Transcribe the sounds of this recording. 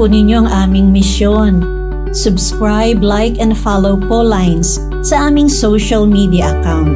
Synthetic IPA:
unɪɲjo̞ʔɐŋʔaːmɪŋmɪsjon | sʊbskɹajblajkɛ̃nd̪falowkolajns | sɐʔaːmɪŋsowʃɐlmid̪ijɐʔɐkawnt̪

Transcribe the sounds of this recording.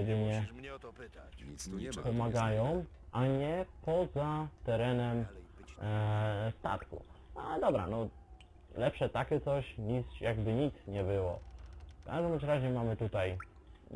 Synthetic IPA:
ɛd̪ɘɲɛ | pɔmaɡajɔ̃w̃ | ʔaɲɛpɔzat̪ɛɾɛnɛm | st̪a̰t̪kṵnalɛd̪ɔbɾa̰nɔ | lɛpʂɛt̪akʲɛt̪sɔɕɲit̪sjaɡbɘɲit̪sɲɛbɘwɔ̰ka̰ʒd̪ɔmt͡ɕɾaʑɲɛmamɘt̪ut̪aj

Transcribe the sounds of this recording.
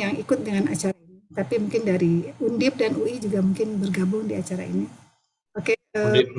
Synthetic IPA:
jaŋikʊt̪̚dəŋana̰t͡ʃaɾainit̪apimuŋkɪndaɾiundɪp̚danuid͡ʒuɡamuŋkɪnbərɡabʊŋdiat͡ʃaɾa̰ḭni | pakaə

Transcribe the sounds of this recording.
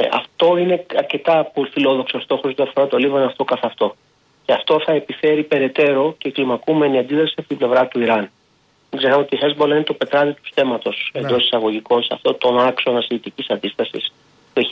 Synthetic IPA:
ɐ̰ft̪o̞ine̞ɐɾce̞t̪ɐpolifilo̞ðo̞ksost̪o̞xosjot̪iɐfo̞ɾɐt̪o̞livɐnɐft̪o̞kɐθɐft̪o̞ | ce̞ɐft̪o̞θɐe̞pife̞ɾipe̞ɾe̞t̪e̞ɾo̞ce̞ːklimɐkume̞niɐnd̪iðɾɐsiɐpot̪ible̞vɾɐt̪uiɾɐn | miɡzeɾɐmo̞t̪ixezbolɐinet̪o̞pe̞t̪ɾɐðit̪u̥st̪e̞mɐt̪o̞se̞nd̪o̞si̥sɐɣo̞ʝiko̞nseɐ̰ft̪o̞t̪o̞nɐksonɐsiʝit̪icisɐnd̪ist̪ɐsḭs | pue

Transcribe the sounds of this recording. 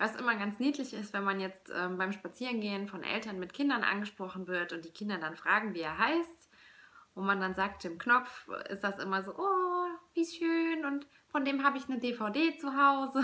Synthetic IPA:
vasʔɪ̰mɐɡant͡sniːtlɪçɪstv̥ɛnmanjɛt͡stʔɛ̰ːmbaɪmʃpat͡siːʁənɡeːənfɔnʔɛ̰ltɐnmɪtkʰɪndɐnʔa̰nɡəʃpʁ̥ɔχn̩vɪɐtʊnt̚d̥iːkʰɪndɐdanfʁ̥aːɡŋ̩viːeːɐɦaɪst | ʔʊntmandanzaːk̚tɪmknɔp͡fɪ̰std̥asʔɪ̰mɐzoːʔoːviːsʃøːnʊnt | fɔndeːmɦaːbəɪçnədeːfaʊdeːt͡suɦaʊzə

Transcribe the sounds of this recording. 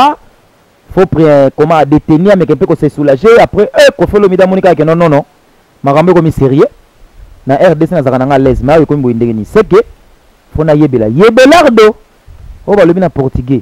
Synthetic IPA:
a | fopʁekomadeteniamekɛpekosesulaʒeapʁɛʔekofelomidamɔnikak̬ɛnɔnɔnɔ | makambokomiseʁie | naʔɛʁdesenazakanaŋɡalɛzmkomiboindeɡeniseke | fonajebela̰jebelaʁdo | ojobalobinapɔʁtiɡe

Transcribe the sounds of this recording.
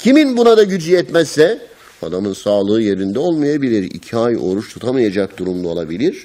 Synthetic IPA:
cʰiminbunad̪aɟyd͡ʒiɛt̪mɛzːɛ | a̰d̪amɯnsaːlˠɯːje̞ɾind̪ɛo̞lˠmajabilʲiɾḭcʰiajo̞ɾuʃt̪ʰut̪ʰamɯjad͡ʒak̚d̪uɾumd̪ao̞lˠabilʲiɾ̥

